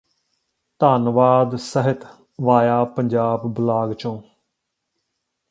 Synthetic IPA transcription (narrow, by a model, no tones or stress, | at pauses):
t̪aːnʋaːd̪səɦɪt̪ʰ | ʋaːjaːpəɲd͡ʒaːbbʊlaːɡt͡ʃõː